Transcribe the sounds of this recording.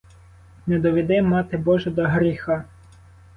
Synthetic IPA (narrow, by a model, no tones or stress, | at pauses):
nɛd̪ɔʋʲid̪ɪmɑt̪ɪbɔʒɛd̪ɔɦɾʲixɑ